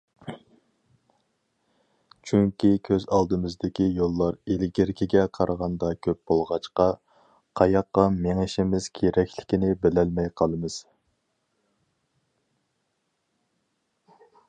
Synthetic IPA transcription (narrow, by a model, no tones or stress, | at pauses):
t͡ʃʰyŋkʲikʲʰøzɑlˠd̪ɨmɪzd̪ɪkʲijolˠːɑɾelɡʲɪɾkʲʰiɡʲɛqʰɑɾʔəʁɑnd̪ɑkʲʰøp̚b̥olˠʁɑt͡ʃqɑ | qʰɑjɑqːɑmeŋɪʃɪmɪz̥kʲʰeɾɛkʲʰlɪ̥kʲinɪbɪlɛlmɛjqʰɑlˠɨmɨz̥